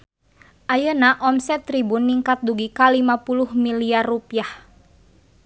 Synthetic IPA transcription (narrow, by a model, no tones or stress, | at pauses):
ʔajənaʔɔmsɛt̪ːɾibunːiŋkat̪̚duɡikalimapuluhmiliarːupiah